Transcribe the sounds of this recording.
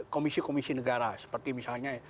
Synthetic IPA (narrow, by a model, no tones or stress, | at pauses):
komisikomisinəɡaɾasə̥pərt̪imisalɲa